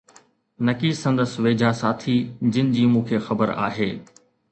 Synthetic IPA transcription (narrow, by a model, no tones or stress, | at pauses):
nɐkisɐ̃nd̪əsʋeːd͡ʑʱasaːt̪ʰid͡ʑɪnɪd͡ʑiːmũːkʰeːxɐbəɾa̰ːɦeː